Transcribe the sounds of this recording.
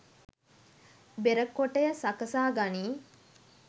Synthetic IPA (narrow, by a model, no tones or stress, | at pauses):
beɾəkːoʈəjəsakəsaːɡaniː